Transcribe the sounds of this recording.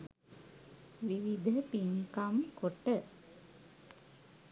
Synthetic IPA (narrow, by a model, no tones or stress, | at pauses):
ʋiʋid̪ʱəpiŋkamkoʈə